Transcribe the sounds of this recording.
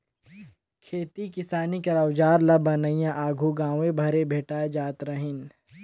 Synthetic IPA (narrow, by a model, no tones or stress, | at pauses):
kʰeːt̪ikɪsaːnikɐɾaːwd͡ʒaːɾlabɐnəijãʔaːɡʱuɡãːʋẽbʱɐɾebʱeːʈaːed͡ʒaːt̪ɾəɦɪn